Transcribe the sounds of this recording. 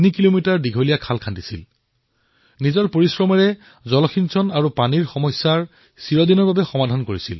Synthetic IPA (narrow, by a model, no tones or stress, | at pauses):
nikilomitaɹdiɡʱolijakʰalkʰandisḭl | nizɔɹpoɹisɹɔmɛɹɛ | zɔlɔxʰinsɔnaɹupaniɹxɔmɔjsːaɹ | siɹɔdinɔɹbabɛxɔmadʱankoɹisḭl